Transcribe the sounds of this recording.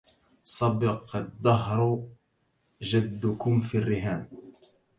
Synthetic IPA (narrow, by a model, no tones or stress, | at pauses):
sˤɑbɪqd̪ˤːɑɦɾˤ | d͡ʒad̪ːʊkʊmfirːɪɦaːn